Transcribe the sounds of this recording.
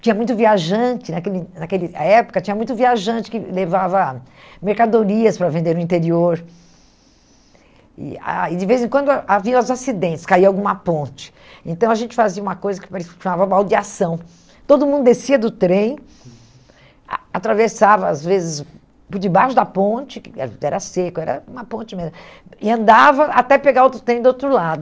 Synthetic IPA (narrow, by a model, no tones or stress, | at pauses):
t͡ʃĩɲɐmũj̃t̪ʊviaʒɐ̃t͡ʃɪnɐkelɪnɐkelɪaɛpʊ̥kɐt͡ʃĩɲɐmũj̃t̪ʊviaʒɐ̃nt͡ʃɪ̥kɪlevavɐ | meɾkad̪oɾiɐspɾɐvẽnd̪eɾnʊĩt̪eɾioɾ | ɪ̰a̰ɪd͡ʒɪvezẽkwɐ̃nd̪ʊaʔavĩɐ̃azasid̪ẽnt͡ʃɪ̥skaiɐawɡũmɐpõnt͡ʃɪ̥ | ẽnt̪ɐ̃w̃ɐʒẽnt͡ʃɪ̥faziɐũmɐkojzɐkɪ̥paɾʃɐmavɐmawd͡ʒiasɐ̃w̃ | t̪od̪ʊmũd̪ʊd̪esiɐd̪ʊt̪ɾẽj̃ | at̪ɾavesavɐazvezɪs | pʊɾd͡ʒɪbaʃʊd̪ɐpõt͡ʃɪkɛɾɐsekʊɛɾɐ̰ũmɐpõnt͡ʃɪmezmɐ | ɪɐ̃nd̪avɐat̪ɛpeɡaɾowt̪ɾʊt̪ɾẽj̃d̪owt̪ɾʊlad̪ʊ